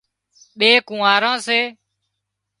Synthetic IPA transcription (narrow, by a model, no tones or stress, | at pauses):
ɓeːkũːaːɾãːseː